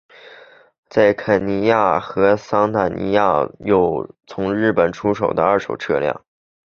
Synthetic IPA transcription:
t͡sa˥˩ɪkʰə˨˩ni˧˥ja˥˩xɤ˧˥sɑ˥ŋt̪a˨˩nḭ˧˥ja˥˧jo˨˩ʊt͡sʰʊ˧˥ŋɻɻ̩˥˩pə˨˩nʈ͡ʂʰu˥ʂ̬o˨˩ʊd̪ə˦ə˞˥˩ʂo˨˩ʊʈ͡ʂʰɤ̰˥˧ljɑ̰˥˩ŋ

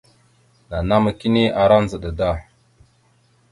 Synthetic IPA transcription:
na˨na˦ma˨ki˦ne˦ʔa˨ɾa˦n˦zə˨ɗə˨da˦˨

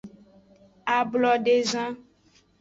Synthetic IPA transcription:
a˨blɔ˦ɖe˦zã˦

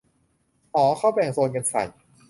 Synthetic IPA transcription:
ʔɔː˨˩˦kʰa˥˩wbɛː˨˩soː˧nka˧nsa̰˨˩j

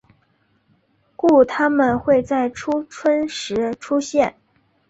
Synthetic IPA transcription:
ku˥˩t̪ʰa˥mə˨nxwe˥˧ɪt͡sa˥˩ɪʈ͡ʂʰu˥ʈ͡ʂʰwə˥nʂɻ̩˧˥ʈ͡ʂʰu˥ɕjɛ˥˩n

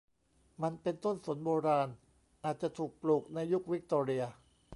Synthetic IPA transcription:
ma˧npe˧nt̪o˥˩nsu˨˩˦nboː˧ɾaː˧n | ʔaː˨˩t̪̚t͡ɕa˨˩t̪ʰuː˨˩k̚pluː˨˩k̚na˧jːu˦˥k̚wi˦˥k̚t̪oː˧ɾi˧ɐ

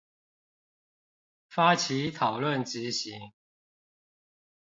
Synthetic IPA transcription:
fa˥t͡ɕʰi˨˥t̪ʰɑ˨˩ʊlwə˥˨nt͡ɕi˨˦ɕi˨˦ŋ

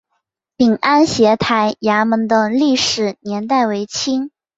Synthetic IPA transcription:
pi˨˩ŋa˥nɕjɛ˧˥t̪ʰa˧˥ɪja˧˥mə˧˥nd̪ə˧li˥˩ʂɻ̩˨˩njɛ˧˥nt̪a˥˩ɪwe˧˥ɪt͡ɕʰi˥ŋ

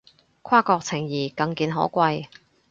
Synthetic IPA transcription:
kʷʰaː˥kɔː˧k̚t͡sʰɪ˨˩ŋjiː˨˩kɐ˧ŋkiː˧nɦɔ̰ː˨˥kʷɐ˧j

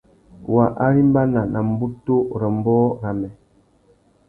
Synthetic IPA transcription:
wa˨ʔa˦ɾi˦m˦ba˦na˨na˨m˦bu˦to˦ɾə˨m˦bɔː˦ɾa˨mɛ˨

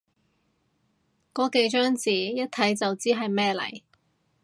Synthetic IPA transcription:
kɔː˨˥ke˨˧jt͡ʃœː˥ŋt͡siː˨jɐ˥t̚t̪ʰɐ˨˥jt͡sɐ˨wt͡siː˥ɦɐ˨jmɛː˥lɐ̰˨˩j

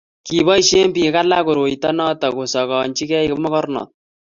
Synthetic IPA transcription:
ki˨bɔ˦i˦ʃe˦mpi˨˦ka˦la˦ko˨ɾo˨i˨tɔ˦nɔ˦tɔ˨ko˨sɔ˨kɔ˨ɲt͡ʃi˦kɛ˦i˦kɪ˦mɔ˦kɔ˦ɾnɔ̰ː˨t̚

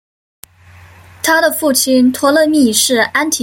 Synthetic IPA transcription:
t̪ʰa˥d̪ə˨fu˥˩t͡ɕʰi˧˥nt̪ʰwɔ˧˥lɤ˥˧mi˥˧˩ʂɻ̩˥˩a˥nt̪ʰi˨˧

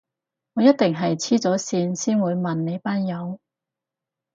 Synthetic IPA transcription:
ŋɔː˨˧˦jɐ˥t̚t̪ɪ˨ŋɦɐ˨jt͡sʰiː˥t͡sɔː˨˥siː˧nsiː˥nwuː˨˧jmɐ˨nːe˨˧jpaː˥njɐ˨˧w

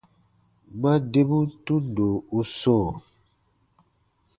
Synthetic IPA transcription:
ɡ͡ba˦de˦bu˦tũ˦n˨do˨u˦sõ˦˨

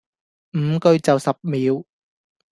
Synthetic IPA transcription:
m̩˨˩˦kɵ˧jt͡sɐ˨˩wsɐ˨˩p̚miː˨˦˥w

